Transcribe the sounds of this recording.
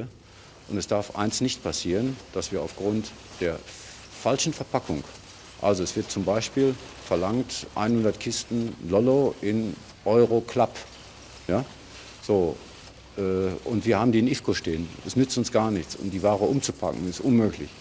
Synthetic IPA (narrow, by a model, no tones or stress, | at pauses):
ə | ʔʊntɛsd̥aɐfʔa̰ɪnstnɪçtpʰasiːʁ̞ənd̥asv̥iːɐaʊfɡ̥ʁʊnt | d̥eːɐ | falʃn̩fɛɐpʰakʰʊŋ | ʔa̰lzoɛsv̥ɪɐt̚t͡sʊmbaɪʃpiːl | fɛɐlaŋtʔa̰ɪnhʊndɐtkʰɪstn̩lɔloʔɪn | ʔɔʏʁokʰl̥ap | jaː | z̥oː | ʔɛːʔʊntv̥iːɐhaːbm̩diːnʔɪfkoʃteːənɛsnʏt͡stʊnsɡ̥aːɐnɪçt͡sʔʊ̰mdiːvaːʁ̞əʔʊmt͡supʰa̰kŋ̩ɪstʔʊnmøːklɪ̰ç